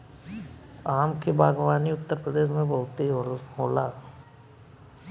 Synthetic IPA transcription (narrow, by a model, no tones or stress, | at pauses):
aːmkebaːɡʋaːniʊt̪ːəɾpɾəd̪eːʃ̬mẽbɐʊt̪iɦoɦoːlaː